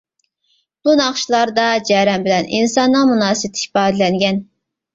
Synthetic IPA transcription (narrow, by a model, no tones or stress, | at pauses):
b̥unɑχʃlˠɑɾd̪ɑd͡ʒɛɾɛmbɪlɛninsɑnːɨŋmunɑːsɨt̪ʰi̥ʃpɑːd̪lɛnɡʲɛn